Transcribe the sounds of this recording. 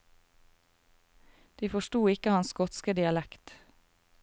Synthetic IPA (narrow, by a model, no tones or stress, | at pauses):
d̪̥iːfɔʃtuːɪkəhɑnsɡɔt̪skəd̪ɪɑlækt̪